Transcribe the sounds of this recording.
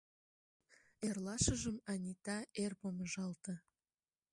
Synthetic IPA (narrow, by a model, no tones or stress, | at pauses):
erlɑʃə̆ʒəmɑnʲit̪ɑerpoməʒɑlt̪ə̆